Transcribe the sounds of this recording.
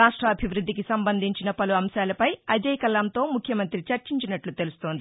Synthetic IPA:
aːʂʈɾɐːbʱiʋɾud̪ʱːikisɐmbɐnd̪ʱiɲt͡ʃinɐpɐluɐmʃaːlɐpɐjɐd͡ʒɐjkɐlːɐnt̪o̞ːmukʰjɐmɐnt̪ɾit͡ʃɐɾt͡ʃiɲt͡ʃinɐʈlut̪e̞lust̪oːnd̪i

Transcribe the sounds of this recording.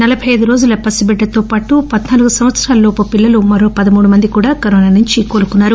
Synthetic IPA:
nɐlɐbʱɐjɐjd̪uɾo̞ːd͡ʒulɐpɐsibɛɖːɐt̪o̞ːpaːʈupɐd̪naːluɡusɐmʋɐt̪sɾaːlɐloːpɐpilːɐlumɐɾo̞ːpɐd̪ɐmuːɽumɐnd̪ikuːɽaːkɐɾoːnaːnuɲt͡ʃiko̞ːlukunːaːɾu

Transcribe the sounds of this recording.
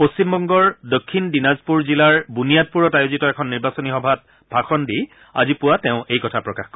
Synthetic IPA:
post͡ɕimbɔŋɡɔɹdokʰːindinazpuɹzilaɹbunijat̚puɹɔtajozitɔɛkʰɔnːiɹbasɔnixɔbʱat̚ | bʱaxɔndi | a̰zipʊwatɛʊ̃ʔejkɔtʰapɹɔkaxkɔ

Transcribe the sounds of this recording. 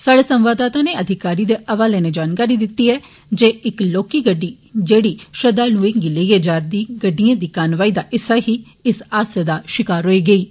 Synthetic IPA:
saːɽeːsəmʋaːd̪aːt̪ãːneːəd̪ʱɪkaːɾiːd̪eːʔəʋaːlẽːneːd͡ʒaːnkaːɾiːd̪ɪt̪ːiːɦɛː | d͡ʒeːɪkloːkiːɡəɖːiː | d͡ʒeːɽiːʃəd̪aːluːɪ̃ŋɡɪleːjeːd͡ʒaːɾd̪iːɡəɖːijãːd̪iːkaːnʋaːiːd̪aːʔɪsaːɦiː | ɪsaːsəd̪aːʃɪkaːɾɦoːiːɡəiː

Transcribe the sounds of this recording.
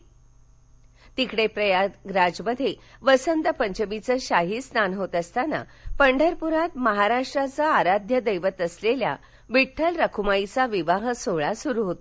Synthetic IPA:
t̪ikɽepɾəjaɡɾad͡ʑməd̪ʱːeʋəsənt̪əpəɲt͡ɕəmit͡səːɕaɦiːstnanɦot̪əst̪ana̰ | pəɳɖʱəɾpuɾat̪məɦaɾaʂʈɾat͡səaɾad̪ʱjəd̪əjʋət̪əslelja̰ | ʋiʈʰːəlɾəkʰumait͡saʋiʋaɦsoɭasuɾuɦot̪o

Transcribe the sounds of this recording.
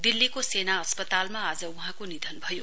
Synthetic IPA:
d̪ilːikosenaʌspʌt̪almaad͡zʌuɦãkonid̪ʱʌnbʱʌjo

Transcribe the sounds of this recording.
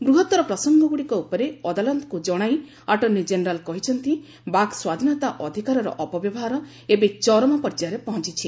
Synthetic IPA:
ɡɾuɦɔt̪ɔɾɔpɾɔsɔŋɡɔɡuɽikɔupɔɾeɔd̪alant̪kud͡ʒɔɽ̃aj | aʈɔnːid͡ʒenɾalkɔɦit͡ʃʰɔnt̪i | baɡswad̪ʱinɔt̪aʔɔd̪ʱikaɾɔɾɔ̰ʔɔpɔbjɔbɔɦaɾɔ | ebet͡ʃɔɾɔmɔpɔɾd͡ʒaɾepɔɦɔ̃t͡ʃit͡ʃʰi

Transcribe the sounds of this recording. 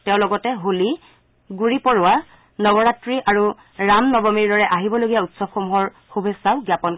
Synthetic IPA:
tɛʊ̃lɔɡɔtɛɦoli | ɡuɹipɔɹʊa | nɔbɔɹatɹiʔaɹu | ɹamnɔbɔmiɹdɔɹɛʔaɦibɔloɡijautsɔbxomuɦɔɹ | xubʱesaʊɡjapɔn

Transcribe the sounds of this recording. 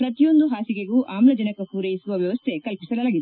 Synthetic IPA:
pɾɐt̪ijo̞nd̪uɦaːsikeɡuːʔaːmlɐd͡ʒɐnɐkɐkuːɾejisuʋɐʋjɐʋɐst̪ʰekɐlpi̥sɐlɐlaːɡid̪e

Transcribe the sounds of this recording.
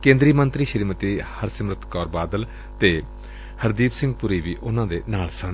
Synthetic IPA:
kẽːnd̪ɾiːmənt̪ɾiːʃəɾiːmət̪iːhəɾsɪmɾət̪ʰkɔːɾbaːd̪əl | t̪eː | həɾd̪iːpsɪ̃ŋɡ̚pʊɾiːʋiːʔʊnãːd̪eːnaːlsən

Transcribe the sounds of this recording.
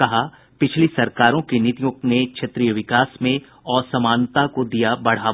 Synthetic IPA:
kɐɦa | pɪt͡ʃʰlisɐɾkaːɾõkinit̪ijʊk̚t̪nekʃʰɐt̪ɾijəʋɪkaːsmẽ | ɔːɾsɐmaːnt̪akod̪ijabɐɽ̤aː

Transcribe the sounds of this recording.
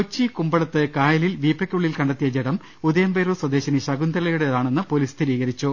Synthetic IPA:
kot͡ɕːikumbɐɭɐt̪ːɨkaːjɐlilʋiːpːɐkʲːuɭːilkɐɳɖɐt̪ːijɐd͡ʑeɽɐm | ud̪ɐjɐmbeːɾuswɐd̪e̞ːɕɐniɕɐɡund̪ɐɾɐlɐjuɽe̞ðaːɳe̞nːɨpo̞liːst̪ʰiɾiːɣɐɾit͡ɕːu

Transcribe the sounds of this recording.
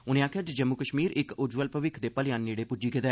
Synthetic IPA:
ʊnẽːaːkʰːəd͡ʒd͡ʒəmːukəʃmiːɾɪkʊd͡ʒʋəlpəʋɪkʰd̪eːpəlɪjaːnːiːɽeːpʊd͡ʒiːkɪt̪ɛː

